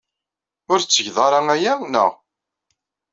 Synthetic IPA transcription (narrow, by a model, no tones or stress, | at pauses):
ʊɾt͡sːəʝðˤɑɾˤɑŋæjænə̰ʁ